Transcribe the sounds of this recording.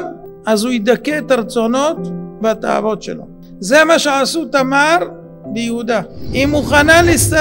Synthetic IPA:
azhuid̪akːeet̪aɾt͡so̞no̞t̪veat̪a̰a̰vo̞tʃḛlo̞̰ | zemaʃeʕasut̪amaɾ | bejehud̪aimuχanalist̪a

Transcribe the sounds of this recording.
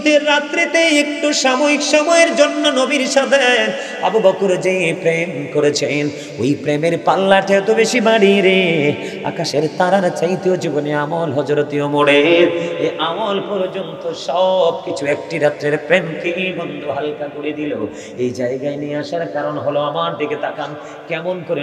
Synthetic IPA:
t̪eɾːat̪ɾet̪eek̚ʈuʃamoɾikʃɔmɔjeɾd͡ʑonːonobiɾʃɔd̪ʱe | abobɔkuɾd͡ʑepɾemkoɾet͡ɕʰen | ojpɾemeɾpalːaʈʰɛt̪obeʃibaɽiɾe | a̰kaʃeɾt̪aɾaɾt͡ɕajt̪eod͡ʑiboneamolɦɔd͡ʑoɾot̪iomoɽeɾeʔamolpɔɾd͡ʑont̪oʃɔb̚kit͡ɕʰuek̚ʈiɾat̪ːɾeɾpɾemkebʱɔnd̪ʱuɦalkakoɾed̪ilo | ejd͡ʑaeɡaeniaʃaɾkaɾonɦoloamaɾd̪ʱiket̪akan | kɛmonkoɾe

